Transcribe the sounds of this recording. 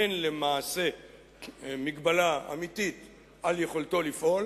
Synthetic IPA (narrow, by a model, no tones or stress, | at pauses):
enle̞maːse̞ | miɡbalaa̰mit̪it̪ | aljeχo̞lto̞lifʔo̞l